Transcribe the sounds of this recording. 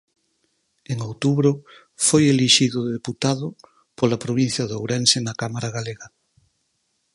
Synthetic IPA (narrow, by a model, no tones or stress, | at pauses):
eŋowt̪uβɾʊ | fojeliʃiðʊðeput̪aðʊ | polapɾoβ̞in̟θjɐðowɾɛnsɪnakamaɾaɣaleɣɐ